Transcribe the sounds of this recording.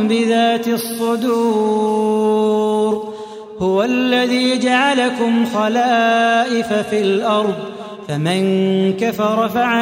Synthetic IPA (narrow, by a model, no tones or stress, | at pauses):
bɪðaːt̪sˤːʊd̪uː | ɾɾ | hʊwalːaðiːd͡ʒaʕalakʊmxalaːʔɪfafilʔɑɾˤðˤ | famɪnkafɑɾˤɑfaʕa